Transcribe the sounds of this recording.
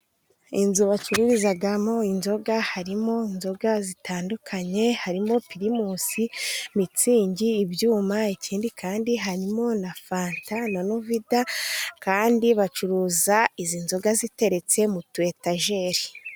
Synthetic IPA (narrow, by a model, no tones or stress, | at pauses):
inzuβat͡ʃuɾuɾizaɡamo̞inzo̞ɡahaɾimo̞inzo̞ɡazitʰaːndukʰaɲe̞haɾimo̞piɾimosimit͡siːɲɟiːbjuːmaiciːndikʰaːndiɦaɾimo̞nafaːntananuvidakaːndiβat͡ʃuɾuːzaizinzo̞ɡazite̞ɾe̞t͡se̞mutuwe̞taʒe̞ɾi